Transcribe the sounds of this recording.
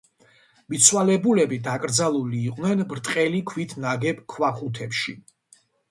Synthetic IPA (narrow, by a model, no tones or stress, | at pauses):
mit̪sʰwalɛbulɛbid̪akʼɾd̪zalˠuliːqʼnɛnbɾt̪ʼqʼɛlikʰwit̪ʰnaɡɛpkʰwaχut̪ʰɛpʃi